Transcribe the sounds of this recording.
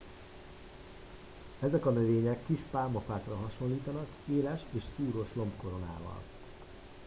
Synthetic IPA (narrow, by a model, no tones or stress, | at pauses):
ɛzɛkɒnøveːɲɛkːiʃpaːmɒfaːkrɒɦɒʃo̞nliːt̪ɒnɒk | eːlɛʃeːʃsuːɾo̞ʃlo̞mpko̞ɾo̞na̰ːvɒ̰l